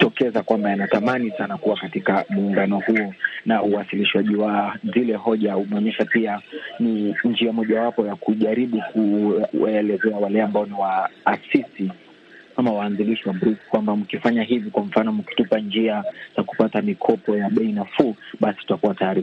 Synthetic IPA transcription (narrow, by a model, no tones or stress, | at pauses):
tɔkɛzakwambajanatamanisanakuwakatikamuːŋɡanɔhuɔnauwasiliʃwaʄiwazilɛɦɔʄaumɛɔɲɛʃapianind͡ʒiamɔʄawapɔjakuʄaɾiɓukuwaɛlɛzɛawalɛambaɔniwaːsisi | kamawaːnziliʃiwambɾukkwambam̩kifaɲaɦivikwam̩fanɔmuki̥tupand͡ʒiaz̥aku̥patamikʰɔpɔjaɓɛinafuːɓasi̥tutakuwataɾi